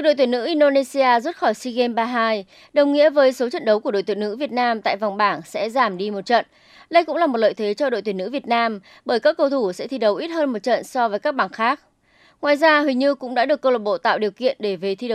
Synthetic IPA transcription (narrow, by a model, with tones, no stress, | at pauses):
k̚ɗo̰˧˨jt̪wnːɨ̰˧˥ʔi˧nɗo˧ne˧si˧ʔaː˧zu˦˥t̚xɔ˧˩jsi˧ɣe˧mɓaː˧ɦaː˧j | ɗə˨˩wŋ͡mŋḭ˧˥əvəː˨˦jso˨˦t͡ɕə̰˧˨nɗə˨˦wku˧˩ə˩o̰˧˨t̪i˧˨˩nɨ̰˧˥vi˨˩ət̚naː˧mt̪a̰ː˧˨jva˨˩wŋ͡mɓaː˧˩nsɛ̰˧˥zaː˧˩mɗi˧mo˨˩t̚t͡ɕə̰˧˨n | ɗə˧jkʊ̰˧˥ŋ͡mlaː˨˩mo˨˩t̚lə̰ː˧˨jt̪ʰe˨˦t͡ɕɔ˧ɗo̰˧˨jt̪wi˧˩nːɨ̰˧˥vi˨˩ət̚naː˧m | ɓəː˧˩jkaː˦˥kːə˧wt̪ʰu˧˩sɛ̰˧˥t̪ʰi˧ɗə˨˩˦wʔi˦˥t̚həː˧nmo˨˩t̚t͡ɕə̰˧˨nsɔ˧vəː˨˦jkaː˦˥k̚ɓaː˧˩nxaː˦˥k̚ | ŋwaː˨˩jzaː˧ɦwi˨˩ɲɨ˧kʊ̰˧˥ŋ͡mɗa̰ː˧˥ɗɨ˨˩əkːəː˧wləː˨˩t̚ɓo̰˧˨t̪a̰ː˧˨wɗi˨˩əwkḭ˧˨ənɗe˧˩ve˨˩t̪ʰi˧ɗə˨˦